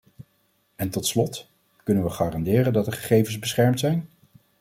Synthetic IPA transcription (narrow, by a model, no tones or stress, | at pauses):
ɛntɔtslɔt | kɵnənʋəχaːrɑndɪːrəndɑtdəɹχə̥χejvənzbəsχɛɹmtsɛjn